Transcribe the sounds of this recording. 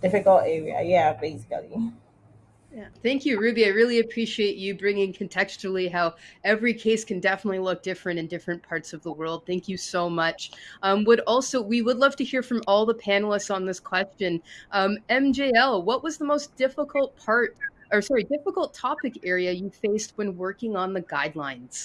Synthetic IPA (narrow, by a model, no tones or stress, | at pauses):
d̥ɪfɨkl̩ˠtɛɹiɨ̰jæbeɪsklji | jæθæ̃ŋkjɨɹʉbiaɪɹɪlˠiɨpʰɹ̥iʃieɪt͡ʃɨbɹɪ̃ŋɪ̃ŋkʰɨ̃n̩tʰɛkst͡ʃl̩ˠiɦaʊɛvɹikʰeɪskʰɨ̃n̩dɛfənətˡlilʊk̚d̥ɪfɹɨ̃ñɨ̃ndɪfɹɨ̃npʰɑɹtsʌvðəwɜ˞lˠd̪̚θæ̃ŋkʰjɨsoʊmʌt͡ʃʔʌ̃mwəɾɔlˠsoʊwiwədˡlʌv̥tɨhiɹfɹʌ̃mɔlˠðəpʰæ̃nl̩ˠəstsn̩ðɪskʰw̥ɛst͡ʃɨ̃nʔʌ̃mɛ̃md͡ʒeɪɛlˠwʌʔ̚wʌzðəmoʊsd̥ɪfəkʰl̩ˠt̚pʰɑɹt̚ə˞sɑɹidɪfəkl̩ˠtʰɑpɨkɛɹiɨjɨfeɪst̚wɨ̃nwɜ˞kɪ̃ŋə̃nðɨɡaɪdˡlãɪ̃nz̥